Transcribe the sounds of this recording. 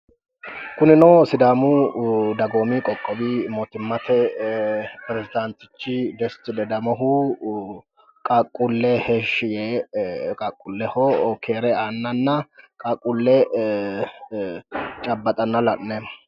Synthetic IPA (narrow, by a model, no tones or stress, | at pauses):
kʊnɪnoːsɪd̪aːmud̪ɐɡoːmikʼɔkʼːɔbimoːt̪ɪmːɐt̪ɛ | pɾɛzɪd̪ant̪ɪt͡ʃːɪd̪ɛst̪ɪlɛd̪ɐmɐɦu | kʼɐkʼːʊlːɛheʃːɪjɛkʼɐkʼːʊlːɛhɔkʰeːɾɛaːnːɐnːɐkʼɐkʼʊlːɛ | t͡ʃʼɐbːɐt̪ʼɐnːɐlɐʔnɛ